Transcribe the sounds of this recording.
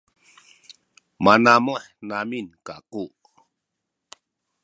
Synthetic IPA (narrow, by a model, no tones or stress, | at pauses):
manamuħnaminkaquʔ